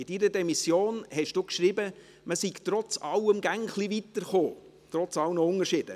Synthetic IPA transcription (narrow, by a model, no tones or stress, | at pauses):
ɪdiɾədɛmisjoːnhɛʃd̥uːkʃɾibə | məsiɡt̪ɾɔt͡sɑwəmɡæŋχlivit̪əɾχoː | t̪ɾɔt͡sɑlnəʊŋəɾʃɪd̥ə̰